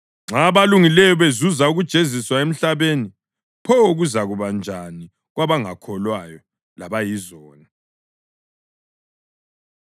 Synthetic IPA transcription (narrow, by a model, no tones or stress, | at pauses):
ŋ͡ǁaβaluŋilɛjɔβezuzauɣud̥ʒ̥ʱeziswaem̩ɬaβeni | pʰɔɣuzaɣuβand͡ʒʱani | ɣwaβaŋakʰɔlwajɔ | laβajizɔːni